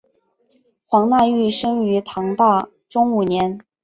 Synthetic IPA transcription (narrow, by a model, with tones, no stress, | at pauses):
xwɑ˧˥ŋna˥˧y˥˩ʂɤ˥ŋy˧˥t̪ʰɑ˧˥ŋt̪a˥˩ | ʈ͡ʂʊ˥ŋu˨˩njɛ˧˥n